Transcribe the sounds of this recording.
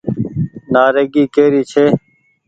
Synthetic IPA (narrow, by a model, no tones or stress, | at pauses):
naːɾeːɡiːkeːɾiːt͡ʃʰeː